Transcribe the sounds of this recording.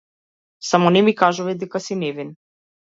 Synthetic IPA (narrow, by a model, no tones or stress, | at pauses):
samɔnɛmikaʒuvɛd̪ɛkasinɛvin